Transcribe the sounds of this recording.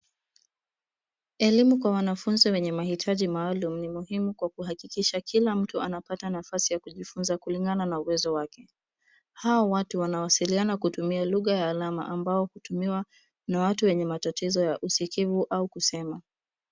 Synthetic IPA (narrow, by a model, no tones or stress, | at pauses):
ɛlimukwawanafunziwɛɲɛmahitʰaʄimaːlum̩nimuhimukwakuɦakikiʃakʰilam̩tuanapatanafasijakuʄifunzakuliŋɡananauwɛzɔwakɛ | hawɔwatuwanawasilianakutumialuɣajaːlama̰ʔambaɔhutumiwa | nawatuwɛɲɛmatatʰizɔjaʔusikivuʔaukusɛma